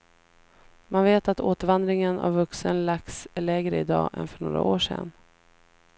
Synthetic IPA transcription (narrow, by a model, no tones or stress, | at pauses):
mʔanveːt̪at̪ʰoːt̪əɾvand̪ɾɪŋəna̰vːɵksənlak̚sɭɛːɡɾəɪd̪ɑ̰ːʔɛ̰nfœɳoːɾa̰ʔoːʂɛ̰nː